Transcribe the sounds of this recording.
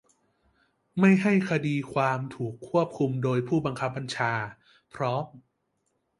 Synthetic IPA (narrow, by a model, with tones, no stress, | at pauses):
ma˥˩jɦa˥˩jkʰa˧diː˧kʰwaː˧mt̪ʰuː˨˩kʰːu˥˩əp̚kʰu˧mdoː˧jpʰuː˥˩ba˧ŋkʰa˦˥p̚ːa˧nt͡ɕʰaː˧ | pʰɾɔː˦˥m